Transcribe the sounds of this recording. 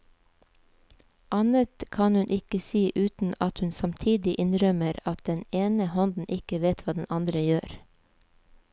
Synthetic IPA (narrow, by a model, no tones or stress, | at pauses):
ʔɑnət̪kʰɑnhʉnʔɪkəsiːʔʉːt̪n̩ɑt̪hʉnsɑmt̪ʰiːd̪ɪʔɪnɾœməɾɑt̪̚d̪ɛneːnəhɔnd̪n̩ʔɪkəʋeːt̪ʋɑːd̪ɛnʔɑnd̪ɾəjøːɾ